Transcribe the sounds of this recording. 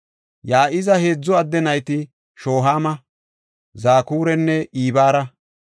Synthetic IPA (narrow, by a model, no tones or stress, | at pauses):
jaːʔɪzɐhe̞ːd͡zːɔɐd̪ːɛnɐjt̪ɪ | ʃo̞ːɦaːmɐ | zaːkuːɾɛnːɛʔiːbaːɾɐ